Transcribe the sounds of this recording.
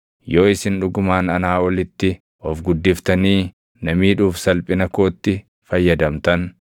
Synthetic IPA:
jo̞ːɪsɪnᶑʊɡʊmaːnɐnaːwɐlɪt̪ːɪ | ʔɔfɡʊd̪ːɪft̪ɐniː | nɐmiːᶑuːfsɐlpʼɪnɐko̞ːt̪ːɪ | fɐjːɐd̪ɐmt̪ɐn

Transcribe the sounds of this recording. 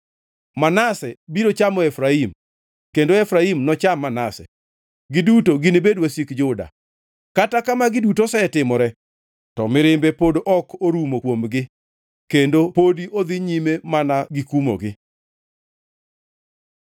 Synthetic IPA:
manasɛbiɾot͡ʃamɔɛfɾaim | kendoɛfɾaimnɔt͡ʃamːanasɛ̰ | ɡɪdutoɡɪnebedwasikd͡ʒʊda̰ | katakamaɡɪdutosɛtɪmɔɾɛ | tɔmɪɾɪmbepodoʔɔkoɾumokwomɡɪ | kendopodiʔod̪ɪɲimemanaɡɪkumo̰ɡɪ

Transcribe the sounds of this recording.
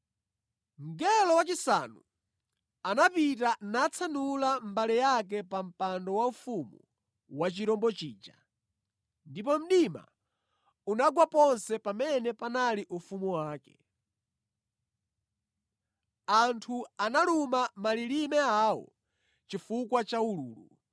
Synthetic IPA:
m̩ɡɛlɔwat͡ʃisa̰nṵ | anapitanat͡sʰanulam̩balɛjak̬ɛpam̩pandɔwaufumṵ | wat͡ʃiɾɔmbɔt͡ʃiːd͡ʒa | ndipɔm̩ɗima̰ | unaɡwapɔnsɛpamɛnɛpanaliʔufumuwaːkɛ̥̰ | antʰuanalumamalilimɛawɔ̰ | t͡ʃifukwat͡ʃaulṵːlṵ

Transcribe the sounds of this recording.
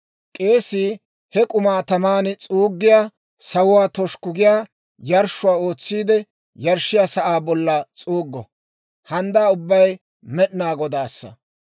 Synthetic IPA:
kʼe̞ːsɪ | hɛkʼʊmaːt̪ɐmaːnt͡sʼuːɡːɪjaː | sɐwʊwaːt̪ɔʃkʊɡɪjaː | jɐɾʃʊwaːo̞ːt͡sːiːd̪ɛ | jɐɾʃːɪjaːsɐʔaːbɔlːɐt͡sʼuːɡːɔ | hɐnd̪aːʊbːɐj | mɛɗnaːɡɔd̪aːsːɐ̰

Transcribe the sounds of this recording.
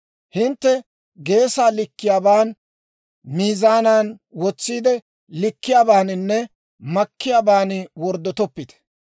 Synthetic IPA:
hɪnt̪ːɛ | ɡe̞ːsaːlɪkːɪjaːbaːn | miːzaːnaːnwɔt͡sːiːd̪ɛ | lɪkːɪjaːbaːnɪnːɛ | mɐkːɪjaːbaːnɪwɔɾd̪ːɔt̪ɔpːɪd̪ɛ̥

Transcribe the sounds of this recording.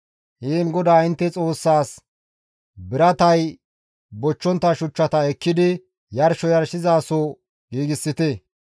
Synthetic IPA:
hiːnɡɔd̪aːɪnt̪ːɛt͡sʼo̞ːsːaːs | bɪɾɐt̪ɐj | bɔt͡ʃːɔnt̪ːɐʃʊt͡ʃːɐt̪ɐɛkːɪd̪ɪ | jɐɾʃɔjɐɾʃɪzaːsɔ | ɡiːɡɪsːɪt̪e

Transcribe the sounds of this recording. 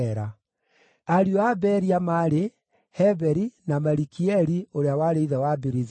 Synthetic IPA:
ɾa | aɾioabɛɾiamaɾe | hɛbɛɾinamaɾikiɛɾioɾeawaɾeiðɛwabeɾiz

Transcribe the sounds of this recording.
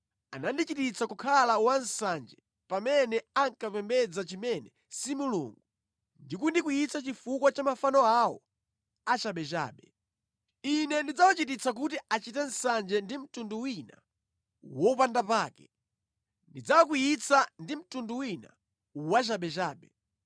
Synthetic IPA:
a̰nandit͡ʃitit͡sʰakukʰalawan̩sand͡ʒɛ | pamɛnɛaŋkapɛmbɛd͡zat͡ʃimɛnɛ | simulṵŋɡu | ndikundikujit͡sat͡ʃifukwat͡ʃamafanɔawɔ̰ | at͡ʃaɓɛt͡ʃa̰ːɓɛ | inɛndid͡zawat͡ʃitit͡sak̬utiat͡ʃitɛn̩sand͡ʒɛndim̩tunduwina | wɔupandapaːkɛ | ndid͡zawak̬ujit͡sʰandim̩tunduwina̰ | wat͡ʃaɓɛt͡ʃaːɓɛ

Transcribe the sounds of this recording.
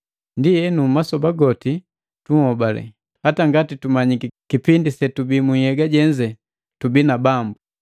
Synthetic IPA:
ndijɛnumasɔbaɡɔti | tuŋhɔbalɛ̰ | hataŋɡatitumaɲikikipindisɛtubimuhɛɡaɟɛɲd͡ʒɛ | tubinabambu

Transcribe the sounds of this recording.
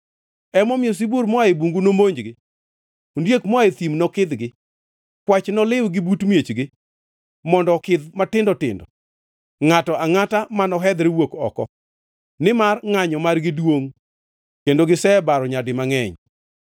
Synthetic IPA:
ɛmɔmjos̬ibuɾmɔaebuŋɡunomoɲd͡ʒɡɪ | ondjekmɔaet̪imnɔkɪd̪ɡɪ | kwat͡ʃnɔlɪwɡɪbutmjet͡ʃɡɪ | mɔndɔkɪd̪matɪndɔtɪ̰ndɔ | ŋatɔaŋatamanɔɦɛd̪ɾɛwokɔ̰kɔ̰ | nɪmarŋaɲɔmarɡɪdwoŋ | kendoɡɪsɛbaɾɔɲadɪmaŋɛɲ

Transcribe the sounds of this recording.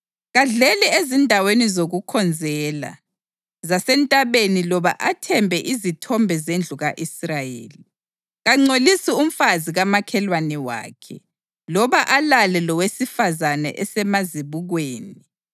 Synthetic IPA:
ɣaɮɛlɛezindʱawenizoɣukʰɔnd͡zʱɛːla̰ | zasɛntʼaβenilɔβaʔatʰɛmbʱɛʔizitʰɔmbʱɛzend͡ɮʱuɣaʔisrajḛːli | ɣaŋ͡ǀolisium̩faziɣamakʰɛlwanɛwa̰ːkʰɛ | lɔβaʔalalɛlɔwesifazanɛ̰ʔɛsɛmaziβuɣweːni

